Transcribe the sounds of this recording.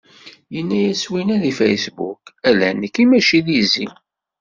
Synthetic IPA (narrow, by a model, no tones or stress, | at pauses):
jənːæjæswinæðifḛjsbṵkælænəkːimæʃiðizḭ